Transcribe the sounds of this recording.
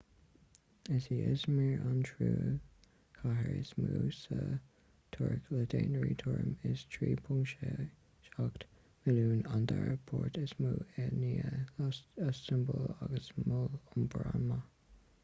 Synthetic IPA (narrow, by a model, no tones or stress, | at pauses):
ɪsiɪsmiɹantʰɹuː | kʰaɦəɹɪsmuːsə | t̪ʰʊɹklədeːnəɹitʰʊɹəmɪstʰɹiːpʰʊŋʃe | ʃakt | mɪluːnand̪aɹpʰɔɹtʰɪsmuːɛniːə | əstəmbolaɡəsmʊlʊnbɹamə